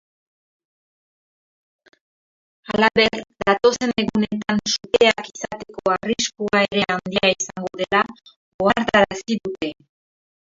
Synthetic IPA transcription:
alaβe̞ɾd̪at̪o̞se̞ne̞ɣune̞t̪ansut̪e̞akisat̪e̞ko̞ariskuaeɾe̞and̪iaisaŋɡo̞ðe̞la | ɣoaɾt̪aɾasiðut̪e̞

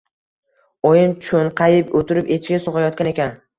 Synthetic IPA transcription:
ɒjɪnt͡ʃʰʊnqʰɑjɪpot̪ʰɪɾɪpet͡ʃʰɪɡʲasoʁajɒt̪kʲane̞kʲan

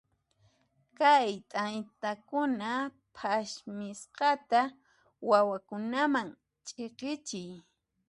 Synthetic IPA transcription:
kajt̪ʼant̪akʊna | pʰaʃmɪsqɑt̪a | wawakʊnamaŋ | t͡ʃʼeqɪt͡ʃɪj

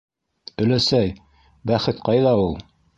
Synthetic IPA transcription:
ɵ̆læsæj | bæχɘt̪qɑjðɑulˠ

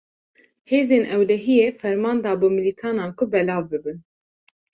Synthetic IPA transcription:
heːzeːnʔɛwlɛɦijeːfɛɾmɑːnd̪ɑːbumilit̪ʰɑːnɑːnkʰʊbɛlɑːvbɨbɨn

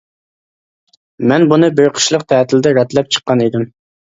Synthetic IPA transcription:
mɛnbunɨbeɾqʰə̥ʃlˠəq̚t̪ʰɛːt̪ʰɪlɪd̪ɛɾɑt̪lɛp̚t͡ʃʰə̥qːɑnid̪ɪm

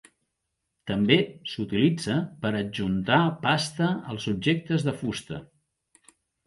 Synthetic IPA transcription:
t̪əmbesut̪ilid͡zəpəɾəd͡ʒunt̪apast̪əəlˠzub̚ʒek̚t̪əzðəfust̪ə̰

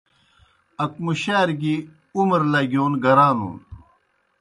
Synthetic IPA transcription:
ɐk̚muɕaːɾɡi | umɾlaɡʲjoːnɡɐɾaːnṵːn

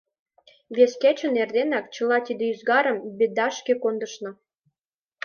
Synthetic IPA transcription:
βesket͡ɕə̆nerd̪enɑkt͡ɕə̆lɑt̪id̪eyzɡɑɾəmbed̪ɑʃkekond̪əʃnɤ̆

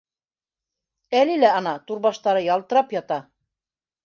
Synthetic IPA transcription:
ælilæɑnɑt̪uɾβɑʃt̪ɑɾɤjɑlˠt̪ɤ̆ɾɑpjɑt̪ɑ

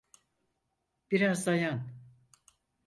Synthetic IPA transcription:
b̥iɾazd̪ajan

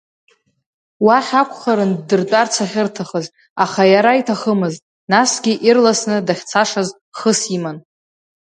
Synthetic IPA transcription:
waħakʷʰʼχaɾɨndɨrt͡pʼart͡sʷʰaχʲɪrtʰaχəz | aχajaɾaitʰaχəmɨztʼ | nasɡʲiʔirlasnɨdaχʲt͡sʰaʂaz | χəsiman

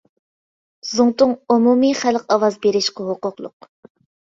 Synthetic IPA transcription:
zʊŋt̪ʊŋumumiχælqɑwɑzbeɾɪʃqɑɦoqʊqlˠʊ̰q̚

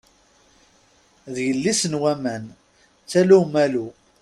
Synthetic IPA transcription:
ðjəlːisənwæmæn | t͡sːælumælu

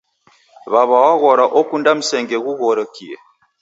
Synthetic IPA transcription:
βaβawaɣoɾaʔokundam̩sɛŋɡeɣuɣoɾokiḛ

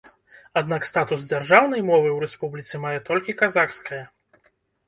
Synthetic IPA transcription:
ad̪nakst̪at̪uzd͡zʲarʐawn̪ɐjmɔvɨwɾɛspublʲit̪sɨɛmajɛt̪ɔlʲkʲikazaxskɐjɐ

